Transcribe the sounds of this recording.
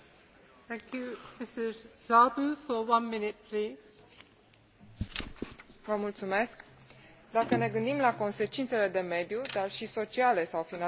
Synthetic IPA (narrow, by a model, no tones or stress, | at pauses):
θæ̃ŋkʰjumɪsɪzzabufəwʌ̃nmɪnɪt̚pʰliːz̥ | vəmult̪sume̞sk | d̪akəne̞ɡɨnd̪imlako̞nse̞t͡ʃint̪se̞le̞d̪e̞me̞d̪jud̪arʃiso̞t͡ʃiale̞sawfina